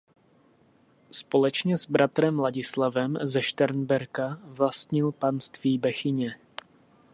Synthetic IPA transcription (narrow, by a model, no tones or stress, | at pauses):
spo̞lɛt͡ʃɲɛzbɾat̪ɾɛmlaɟɪslavɛmzɛʃt̪ɛɾnbɛɾkavlast̪ɲɪlpanst̪viːbɛxɪɲɛ